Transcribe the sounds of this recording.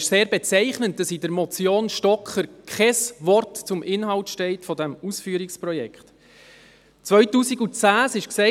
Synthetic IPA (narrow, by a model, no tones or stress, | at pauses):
ʃseːɾbɛt͡sɛɪχnənt̚d̥ɑsidəɾmɔt͡sjoːnʃtɔkχəɾkʰχɛsʋɔrtt͡sʊmʔɪnɦɑʊtʃtɛɪtfɔdɛmusfyːəɾikspɾɔjɛ̰kχt | t͡sʋœʏtuːsiɡut͡sæːsɪʃksɛ